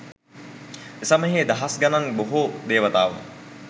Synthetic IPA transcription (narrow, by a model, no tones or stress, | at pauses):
esɐməɦeːd̪ɐɦasɡɐnaŋboɦud̪eːʋɐt̪aːʋə̰